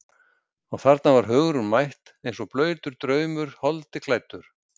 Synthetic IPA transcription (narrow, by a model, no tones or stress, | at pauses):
ɔɣθaɾt̪navaɾ̥ɦœɣɾʏnmajht̪ | ejnsɔplœːɥt̪ʏɾt̪ɾœːɥmʏɾ̥hɔlt̪ɪkʰlaːjt̪ʏɾ̥